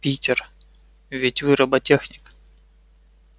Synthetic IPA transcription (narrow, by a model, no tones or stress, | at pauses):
pʲitʲɪr | vʲɪtʲvɨɾəbɐtʲexnʲɪk